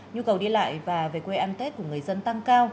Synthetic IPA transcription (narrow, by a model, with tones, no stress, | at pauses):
ɲu˧kə˨˩wɗi˧la̰ː˧˨jvaː˨˩ve˨˩kwe˧ʔaː˧nt̪e˦˥t̚ku˧˩əŋ˨˩əjzə˧nt̪a˧ŋkaː˧w